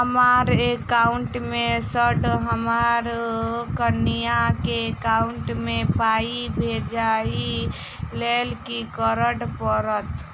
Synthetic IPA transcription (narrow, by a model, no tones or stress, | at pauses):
ɦəmaɾekauɳʈmesəɖɦəmaɾkənijakeːkauɳʈmepaibʱed͡ʒai | lelkikəɾəɽpəɾət̪